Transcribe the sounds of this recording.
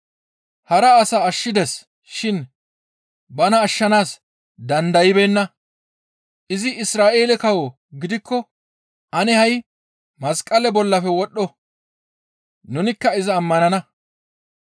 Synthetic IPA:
hɐɾɐːsɐːʃːɪd̪ɛs | ʃɪn | bɐnɐːʃːɐnaːs | d̪ɐnd̪ɐjɪbeːnːɐ | ʔɪzɪɪsɾaːʔe̞ːlɛkɐwɔ | ɡɪd̪ɪkːɔ | ʔɐnɛhɐj | mɐskʼːɐlɛbɔlːɐfɛwɔɗːɔ | nʊnɪkːɐɪzɐːmːɐnɐnɐ

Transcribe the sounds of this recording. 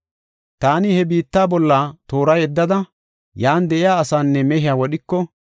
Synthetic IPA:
t̪aːnɪhɛbiːt̪ːaːbɔlːaːt̪o̞ːɾɐjɛd̪ːɐd̪ɐ | jaːnd̪ɛʔɪjaːsaːnːɛmɛɦɪjaːwɔɗɪkːɔ

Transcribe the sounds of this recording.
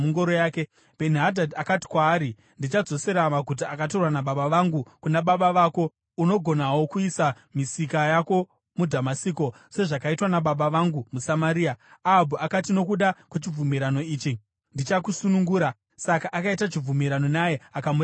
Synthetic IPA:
muŋɡoɾojaːke | b̥ʱe̞niɦadʱadakati̥kwaːɾi | ndit͡ʃad͡zo̞se̞ɾamaɡʱut̬aakat̬o̞rwanaɓaɓaʋaŋɡukunaɓaɓaʋaːko̞ | uno̞ɡʱo̞nawo̞kuisa | misikajako̞ | mudʱamasiːko̞ | se̞ʐakaitwanaɓaɓaʋaŋɡumusamaɾiːaabʱuʔakatino̞k̬uɗakwet͡ʃib͡vumiɾano̞iːt͡ʃi | ndit͡ʃakusunuŋɡuːɾa | sakaʔakaitat͡ʃib͡vumiɾano̞najeakamu

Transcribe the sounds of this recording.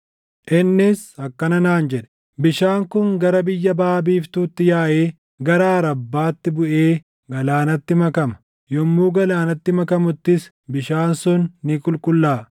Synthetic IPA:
ʔɪnːɪsɐkːɐnɐnaːnd͡ʒɛᶑɛ̥ | bɪʃaːŋkʊŋɡɐɾɐbɪjːɐbaːbiːft̪uːt̪ːɪjaːʔeː | ɡɐɾaːɾɐbːaːt̪ːɪbʊʔeː | ɡɐlaːnɐt̪ːɪmɐkɐmɐ̥ | jɔmːuːɡɐlaːnɐt̪ːɪmɐkɐmʊt̪ːɪs | bɪʃaːnsʊnːɪkʼʊlkʼʊlːaː

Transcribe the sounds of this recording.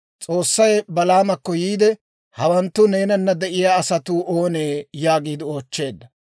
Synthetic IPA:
t͡sʼo̞ːsːɐjbɐlaːmɐkːɔjiːd̪ɛ | hɐwɐnt̪ːʊne̞ːnɐnːɐd̪ɛʔɪjaːsɐt̪uːʔoːneːjaːɡiːd̪ɪo̞ːt͡ʃːe̞ːd̪ːɐ

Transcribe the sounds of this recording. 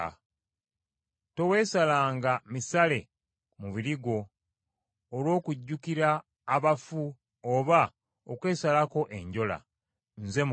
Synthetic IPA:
to̞we̞ːsalaːŋɡamisale̞ | muβiɾiɡo̞ | lwo̞ːkuɟːukiɾaː | βafu | oβa | okwe̞ːsalako̞ʔe̞ɲɟo̞la̰ | nze̞m

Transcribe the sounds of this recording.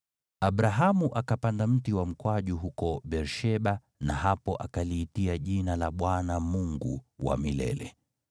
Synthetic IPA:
aɓɾaɦamuʔakapandam̩tiwam̩kwaʄuɦukɔɓɛɾʃɛɓa | nahapɔʔakaliːtiaʄinalaɓwanamuŋɡṵwa̰milɛ̰lɛ̰

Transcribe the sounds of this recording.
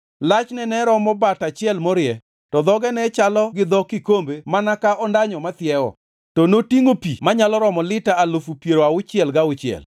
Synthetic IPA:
lat͡ʃnɛnɛɾɔmɔbatat͡ʃɪɛlmɔɾɪɛ | tɔd̪ɔɡɛnɛt͡ʃalɔɡɪd̪ɔkɪkombemanakaʔɔndaɲɔmat̪ɪɛwɔ̰ | tɔnotiŋopimaɲalɔɾɔmɔlɪtaːlofupjeɾoaʊt͡ʃɪɛlɡaʊt͡ʃɪɛ̰l

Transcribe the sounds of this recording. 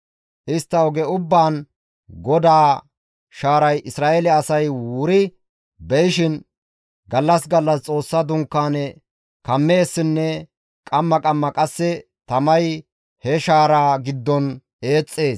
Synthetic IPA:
ʔɪst̪ːɐɔɡɛʊbːaːn | ɡɔd̪aː | ʃaːɾɐjʔɪsɾaːʔɛlɛɐsɐjwʊɾɪ | bɛjɪʃɪn | ɡɐlːɐsɡɐlːɐst͡sʼo̞ːsːɐd̪ʊŋkːaːnɛ | kɐmːe̞ːsːɪnːɛ | kʼɐmːɐkʼɐmːɐkʼɐsːɛ | t̪ɐmɐj | hɛʃaːɾaːɡɪd̪ːɔn | e̞ːt͡sʼːe̞ːs

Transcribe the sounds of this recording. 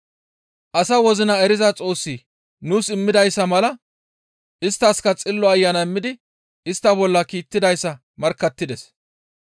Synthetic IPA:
ʔɐsɐwɔzɪnɐɛɾɪzɐt͡sʼo̞ːsːiː | nuːsɪmːɪd̪ɐjsːɐmɐlɐ | ʔɪst̪ːɐskɐt͡sʼɪlːɔɐjːɐnɐɪmːɪd̪ɪ | ɪst̪ːɐbɔlːɐkiːt̪ːɪd̪ɐjsːɐ | mɐɾkːɐt̪ːɪd̪ɛs

